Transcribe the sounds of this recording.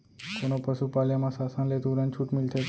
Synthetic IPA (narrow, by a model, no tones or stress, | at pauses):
konopəʃupaljamãsasãnlet̪uɾãnt͡ʃʰuʈmilt̪ʰe